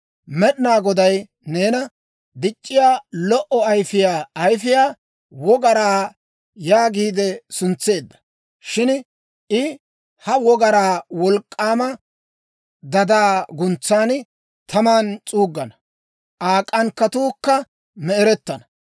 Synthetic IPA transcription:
mɛɗɪnaːɡɔd̪ɐj | neːnɐ | d̪ɪt͡ʃʼːɪjaːlɔʔɔɐjfɪjaːɐjfɪjaː | wɔɡɐɾaː | jaːɡiːd̪ɛsʊnt͡sːe̞ːd̪ːɐ̥ | ʃɪn | ʔɪ | hɐwɔɡɐɾaːwɔlkʼːaːmɐ | d̪ɐd̪aːɡʊnt͡sːaːn | t̪ʰɐmaːnt͡sʼuːɡːɐnɐ | ʔaːkʼːɐnkːɐt̪uːkːɐ | mɛɛɾɛt̪ːɐnɐ

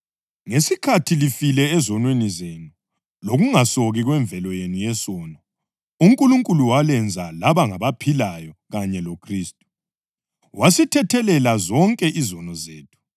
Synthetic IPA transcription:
ŋesikʰatʰilifilɛːzɔnwenizenu | loɣuŋasoɣiɣwɛɱvʱɛlɔjenujɛsɔːnɔ | uŋkʼuluŋkʼuluwalɛnd͡zʱalaβaŋaβapʰilajɔɣaɲɛlokʰriːstʼu̥ | wasitʰɛtʰɛlɛlazɔŋkʼɛʔizɔnɔzeːtʰu̥

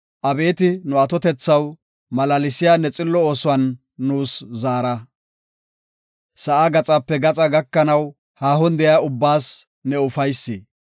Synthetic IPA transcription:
ʔɐbe̞ːt̪ɪnʊɐt̪ɔt̪ɛt͡sːɐw | mɐlɐlɪsɪjaːnɛt͡sʼɪlːɔoːsʊwɐnː | uːszaːɾɐ | sɐʔaɡɐt͡sʼɐpːɛɡɐt͡sʼɐɡɐkːɐnɐw | haːɦɔnd̪ɛjaʊbːaːs | nɛʊfɐjsːɪ

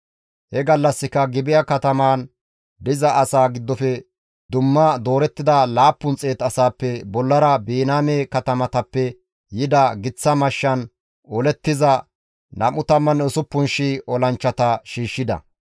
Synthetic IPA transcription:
hɛɡɐlːɐsːɪkɐɡɪbɪjɐkɐt̪ɐmaːn | d̪ɪzɐʔɐsaːɡɪd̪ːɔfɛ | d̪ʊmːɐd̪o̞ːɾɛt̪ːɪd̪ɐlaːpːʊnt͡sʼe̞ːt̪ɐsaːpːɛbɔlːɐɾɐbiːnaːmeːkɐt̪ɐmɐt̪ɐpːɛ | jɪd̪ɐɡɪt͡sːɐmɐʃːɐn | ɔlɛt̪ːɪzɐ | nʔɐmʊt̪ɐmːɐnʊsʊpːʊnʃiɔlɐnt͡ʃːɐt̪ɐʃiːʃːɪd̪ɐ̰

